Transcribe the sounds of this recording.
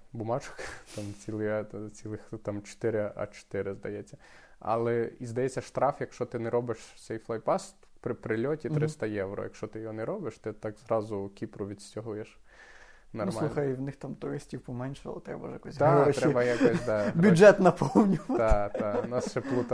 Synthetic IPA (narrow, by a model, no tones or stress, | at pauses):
bʊmɑt͡ʃɔ̥kt̪ɑmt͡sʲilˠɪɐt͡sʲilˠɪxt̪ɑmt͡ʃe̥t̪ɪɾɪʔɐ̰t͡ʃe̥t̪ɪɾɪzd̪ɐjɛt͡sʲːɐ | ɐ̰lˠɛizd̪ɐjɛt͡sʲːɐʃt̪ɾɑfjɐkʃt͡ʃɔt̪ɪnɛɾɔbɪʃt̪sɛjflˠɐjpɑst̪pɾɪpɾɪlʲɔtʲit̪ɾɪst̪ɐjɛwrɔ̰jɐ̰kʃt͡ʃɔt̪ɪjɔɦɔnɛɾɔbɪʃt̪ɪt̪ɑkzrɑzʊkʲipɾʊʋʲid̪sʲtʲɔɦujɛʃ | nɐrmɑlˠuxɐjwnɪxt̪amt̪ʊɾɪsʲtʲiwpɔmɛnʲʃlˠɐ̰t̪ɾɛ̰bɐjɐkɔsʲd̪aʃɾɛbɐjakɔsʲd̪ɑbʲʊd͡ʒɛt̪nɐpɔwnʲʊt̪ɑt̪anɑsʃɛplˠut̪ɐ